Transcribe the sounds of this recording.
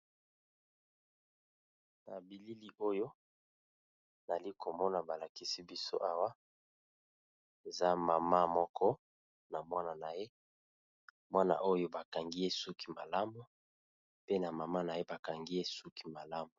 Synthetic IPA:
na̰˨bi˨li˦li˦ʔo˦jo˦ | na˨li˦ko˨mɔ˦na˨ba˨la˨ki˦si˦bi˦so̰˦ʔa˦wa˦ | e˨za˦ma˨ma˦mɔ˦kʰɔ˦ | na˨mwa˦na˨na˨je˦ | mwa˦na̰˨ʔo˦jo˦ba˨ka˨ŋɡi˦je˦su˦ki̥˨ma˨la˦mu˦ | pe˦na˨ma˨ma˦na˨je˦ba˨ka˨ŋɡi˦je˦su˦ki˨ma˨la˦mu˨

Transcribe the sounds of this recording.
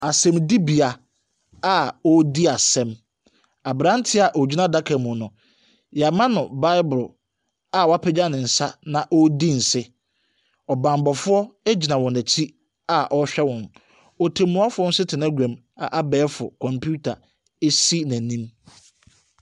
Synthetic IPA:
a˨sɛ̃˦˨mdi˦bi˨a˨ | a˦˨ɔ˦di˦a˨sɛ̃˦m | a˨bɾã˦n̩˦tʰɪ˦a˨ʔɔ˨d͡ʑᶣi˦nã˦da˦kʰa˨mʊ̃˨nʊ̃˨ | ja˨mã˦nʊ̃˨ba˦ɪ˦bʊ˨lʊ˨ | a˨wɔ˨˦a˦pʰɛ˦d͡ʑa˦nɪ̃˨n̩˨sa˦nã˨ʔɔ˦di˦˨n̩˨sɪ˦ | ɔ˨bã˨mbɔ˨fʊ˦ɔ˦e˦d͡ʑi˨nã˨wɔ̃˨næ˨t͡ɕʰi˦ | a˨ʔɔ˦ɕᶣɛ˦wɔ̃˨n | ɔ˨tʰɪ̃˨mːʊ̃˨˦a˦fʊ˦ɔ˦n̩˦sɪ˦tʰɪ˨nã˦ɡʷæ̃˨m | a˨ʔa˨bɛː˨˦fʊ̰˨kʰɔ̃˨mpʰu˦tʰa˨ | e˦si˦næ̃˨nĩ˦m

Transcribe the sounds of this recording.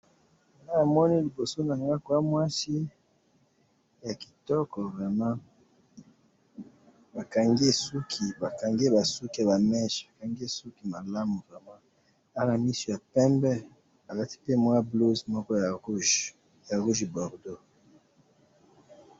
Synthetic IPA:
a˨na˦a˨mɔ˦ni˦li˨bo˨so˦na˨ŋɡa˦kwa˦mwa˦si˦ | ja˨ki̥˨tɔ˦kɔ˨vʁɛ˨mã˦ | ba˨ka˨ŋɡe˦su˦kʰi˨ba˨ka˨ŋɡe˦ba˨su˦ki˦a˨βa˨mɛ˦ʃba˨ka˨ŋɡe˦su˦ki˦ma˨la˦mu˨vʁɛ˨mã˦ | a˦na˨mi˦so˨ja˨pɛ˦mbɛ˦ | a˨la˦ti̥˦pe˦mwa˦blo˦zmɔ˦kɔ˦ja˨ʁu˦ʒ | ja˨ʁu˦ʒi˨bɔ˨ʁdo˦

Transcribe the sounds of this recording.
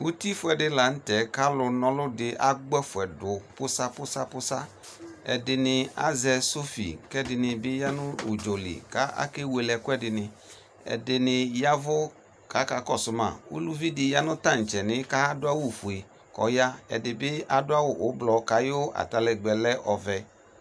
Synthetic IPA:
wu˦ti˦fʊ˦ɛ˨dɪ˧la˨n̩˦tɛ˨˦ka˦lʊ˧nɔ̃˧lʊ˦dɪ˧ʔa˦ɡ͡bɛ˦fʊ˨ɛ˨dʊ˨pʊ˦sa˦pʊ˦sa˦pʊ˦sa˦ | ɛ̰˨dɪ˧nɪ˧a̰˦zɛ˧so˦fḭ˨kɛ˦dɪ˨nɪ˧bɪ˦ja˦nʊ̃˦u˨d͡ʒo˨lɪ̰˨ka˦ʔa̰˦ke˦we˧lɛ˧kʊ˦ɛ˦dɪ˨nɪ˧ | ɛ̰˨dɪ˧nɪ˧ja˦vʊ˦ | ka˨˦ka˨˦kɔ˦˨sʊ˦ma̰˨ṵ˦lu˦vi˦dɪ˧ja˦nʊ̃˦ta˦˨n̩˨t͡ʃɛ˨nɪ̃˨˦ka˦a˦dʊ˦a˦wu˦˨fu˨e˨ | kɔ̰˨ja˦ɛ̰˨dɪ˨bɪ˦a˦dʊ˦a˦wʊ˦˨ʔʊ˨˦blɔ˨ka˨˦jo˦a̰˨ta˨˧lɛ˨ɡ͡bɛ˨lɛ˦ʔɔ˨vɛ˧

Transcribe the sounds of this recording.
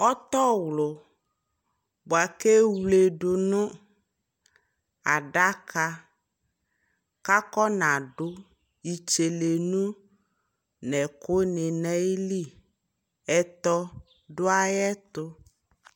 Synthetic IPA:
ɔ˦t̪ɔ˦wlʊ˨ | bo˨a˨ke˦wle˨ɖʊ˨nʊ̃˦ | a˨ɖa˦ka˦ | ka˦kɔ˦nã˨ɖʊ˦ | i˨t͡ʃe˨le˨nũ˦ | nɛ˨kʊ˦nɪ˨nɛ˦i˦li˦ | ɛ˨t̪ɔ˦ | ɖʊ˦a˦jɛ˦t̪ʊ˦

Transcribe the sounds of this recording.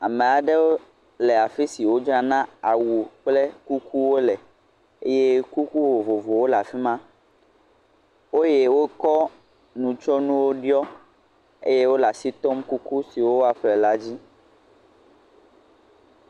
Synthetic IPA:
a˨mẽ˨a˨ɖe˦wo˦ | lɛ˨a˨fi˦si˨wo˦d͡ʒɔ˦a˦nã˦a˨wu˨k͡ple˦ku˦ku˦wo˦lɛ˨ | e˦je˦ku˦ku˦vo˨vo˨vo˨wo˦la˨fi˦mã˦ | wo˦je˦wo˦kɔ˦ | nũ˨t͡ʃɔ˦nũ˦wo˦ɖi˦ɔ˦ | ḛ˦je˦wo˦la˨si˦t̪o˦mku˦ku˦si˨wo˦a˨ɸɛ˨la˦d͡ʑi˦

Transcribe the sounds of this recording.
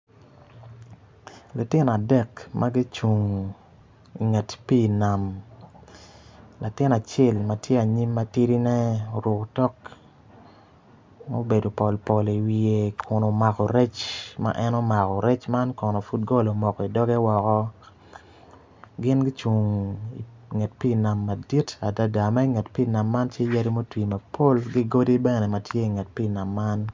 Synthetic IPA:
lu˨tɪ˦nɔ˨a˨dɛ˦kmʔa˦ɡi˦t͡ʃu˨ŋ | i˨ŋa˨tpi˦˨na˨m | la˨tɪ˦na˨t͡ʃɛ˦lma˦tje˦a˨ɲi˦mːa˦ti˦ɾi˦nɛ˦o˨ɾʊ˨ktɔ˦k | mo̰˦be˨do˨pɔ˨lpɔ˨li˨wi˨e˨kʰʊ˨no˨ma˨kɔ˨ɾɛ˦t͡ʃma̰˦ʔɛ˦no˦ma˨kɔ˨ɾɛ˦t͡ʃma˦nkɔ˨nɔ˨fu˦t̚ɡo˦lo˨mɔ˨kɔ˨i˨dɔ˦ɡɛ˦wɔ˨kɔ˦ | ɡɪ˦nɡi˦t͡ʃu˨ŋi˨ | ŋɛ˨t̚pi˦˨na˨mːa˨di˦ta˨da˨da˨ma˦i˦ŋɛ˨tpi˦˨na˨mːa˦nt͡ʃje˦ja˦ɾi˦mo˦twi˨ma˨pʰo˦lɡi˦ɡo˦di˦bɛ˦nɛ˨ma˨tʰje˦i˨ŋɛ˨t̚pi˦˨na˨mːa˦n

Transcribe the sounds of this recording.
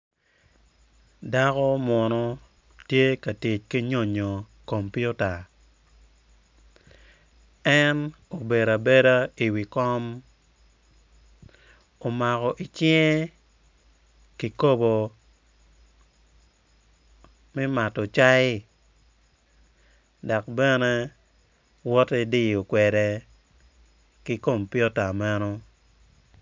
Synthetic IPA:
da˦kɔ˦mwɔ˨nɔ˦ | tje˦ka˨tɪ˨t͡ʃki˦ɲo˨ɲo˨ | ko˨mpju˦ta˨ | ɛ˦no˨be˨ɾa˨be˦ɾa˦i˨wi˨kɔ˦m | o˨ma˨kɔ˨ʔi˨t͡ʃi˦e˦ | ki˨ko˦bo˨ | mɛ˦ma˨tɔ˨t͡ʃa˦ɪ˦ | da˨kbɛ˦ne˦ | wɔ˦tɛ˦di˦o˨kwɛ˨de˨ | ki˦ko˦˨mpi˦ɔ˦ta˨ma˦no˦

